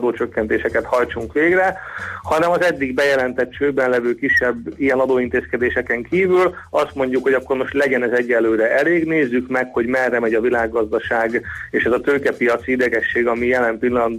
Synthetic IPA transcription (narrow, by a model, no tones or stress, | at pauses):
d̪oːt͡ʃø̞kːɛnt̪eːʃɛkɛt̪hɒjt͡ʃuŋkʋeːɡrɛhɒnɛmɒzɛd̪ːiɡbɛjɛlɛnt̪ɛt̪t͡ʃøːbɛnlɛvøːkiʃːɛbːijɛnɒd̪oːint̪eːskɛd̪eːʃɛkɛŋkiːvylɒst̪mo̞ɲɟːukho̞ɟɒkːo̞ɾmo̞ʃt̪lɛɟɛnɛzɛɟːɛlːøːɾɛʔɛleːɡneːzːykmɛkho̞ɟmɛrːɛmɛɟɒvilaːɡːɒzd̪ɒʃaːɡeːʃɛzɒt̪økɛpijɒt̪siid̪ɛɡɛʃːeːɡɒmijɛlɛmpilːɒn